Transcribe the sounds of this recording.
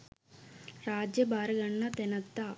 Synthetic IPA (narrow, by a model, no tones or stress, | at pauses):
ɾaːd͡ʑjɐbʱaːɾɐɡɐɳːɐt̪enɐt̪ːa